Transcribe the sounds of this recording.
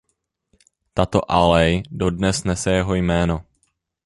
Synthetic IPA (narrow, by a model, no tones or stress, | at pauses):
t̪at̪o̰ʔalɛjdo̞dnɛsnɛsɛjɛɦo̞jmɛːno̞